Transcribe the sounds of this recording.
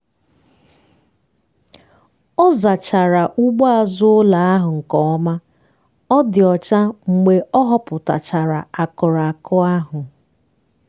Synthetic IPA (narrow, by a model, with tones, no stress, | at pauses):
ɔ˦za˨t͡ʃa˨ɾa˨ʔu˦ɡ͡bɔ˦a˨zʊ˦ʊ˦la˨a˦ɦʊ˨ŋ̩˨kɔ˨ɔ˦ma˦ | ɔ˦dɪ˨ɔ˨t͡ʃa˦ŋ͡m̩˨ɡ͡be˨ʔɔ˦ɦɔ˦pʊ˨ta̰˨t͡ʃa˨ɾa˨a˨kɔ˨ɾa˨a˨kɔ˦a˦ɦʊ˨